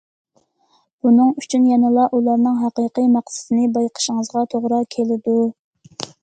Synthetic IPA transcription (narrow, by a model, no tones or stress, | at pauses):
b̥unɨŋyt͡ʃʰynjɛnɨlˠɑʔulˠɑɾnɨŋɦɑqəqijmɑqsɪ̥t̪ʰɪnɨbɑjqʰə̥ʃəŋəzʁɑt̪ʰoʁɾɑkʲʰelɪd̪u